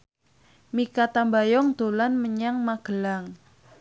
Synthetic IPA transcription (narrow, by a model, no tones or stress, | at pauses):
mikat̪ambajɔŋd̪̥o̤lanməɲaŋmaɡ̥əlaŋ